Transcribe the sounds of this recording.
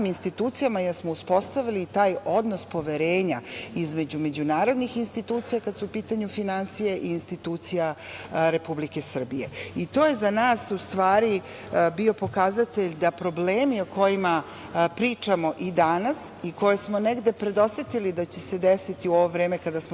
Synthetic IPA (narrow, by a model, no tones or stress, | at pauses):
minst̪it̪uːt̪sijamajesmouspo̞st̪aʋilit̪aːjo̞d̪nospo̞ʋe̞ɾeːɲaizme̞d͡ʑume̞d͡ʑunaːɾo̞d̪nixinst̪it̪uːt̪sijakad̪suːpiːt̪aɲufinansijeʔiːnst̪it̪uːt̪sija | ɾe̞publike̞sr̩bije̞̰it̪o̞ːje̞zanaːsust̪ʋaːɾi | bio̞po̞kazat̪e̞ʎd̪apɾo̞bleːmio̞ko̞jima | pɾiːt͡ʂamo̞ʔid̪anasiko̞je̞smo̞neɡd̪e̞pɾe̞d̪o̞sʲet̪ilid̪at͡ɕese̞d̪esit̪iuo̞ʋovɾe̞ːme̞kad̪asmo